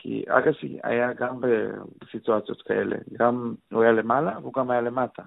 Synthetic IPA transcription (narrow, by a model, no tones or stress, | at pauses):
kʰḭa̰ɡasḭa̰jaɡambebesituat͡sjo̞tkaʔele̞̰ɡamuajale̞malaveuɡamhajale̞matʰa